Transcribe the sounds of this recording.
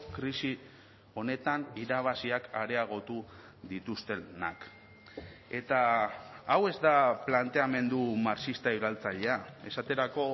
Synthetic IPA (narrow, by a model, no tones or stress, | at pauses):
kɾisi | o̞ne̞t̪aniɾaβ̞asiaka̰ɾe̞aɣ̞o̞t̪u | ðit̪ust̪e̞na̰k | e̞t̪aː | we̞zd̪aplant̪e̞ame̞nd̪umaɾt͡ʃist̪aiɾalt͡saʎe̞ae̞sat̪e̞ɾako̞